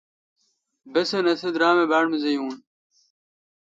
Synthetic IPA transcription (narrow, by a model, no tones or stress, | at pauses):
besɐnɐsed̪ɾaːmebaːɽmezɐjuːn